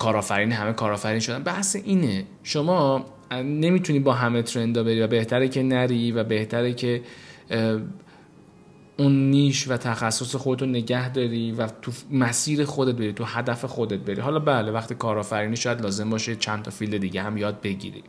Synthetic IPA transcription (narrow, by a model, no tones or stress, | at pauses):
kʰɒːɾɒːfæɾiːnɦæme̞kʰɒːɾɒːfæɾinʃo̞d̪ænbæhseʔiːne | ʃomɒː | ne̞miːt̪ʰuniːbɒːɦæmet̪ʰɾe̞nd̪ɒːbe̞ɾiːvæbe̞ht̪ʰæɾecʰe̞næɾiːvæbe̞ht̪ʰæɾecʰe̞ | unːiːʃvæt̪ʰæxæsːo̞sexod̪et̪ʰone̞ɟæhd̪ɒːɾiːvæt̪ʰumæsiːɾe̞xod̪e̞t̪̚bɾit̪ʰuhæd̪æfe̞xo̞d̪e̞t̪̚be̞ɾḭɦɒlɒːbæːlevæxt̪ikʰɒːɾɒːfæɾiːniʃɒːjæd̪lɒːze̞mbɒːʃet͡ʃʰænt̪ʰɒfilme̞d̪iːɟehæmjɒːd̪̚be̞ɟḭːɾḭ